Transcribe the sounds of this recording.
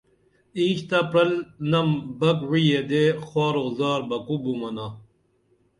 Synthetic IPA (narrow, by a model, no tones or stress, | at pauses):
iːɕt̪apɾɐlnɐmbɐkwijed̪exwaːɾozaːɾbɐkubumɐna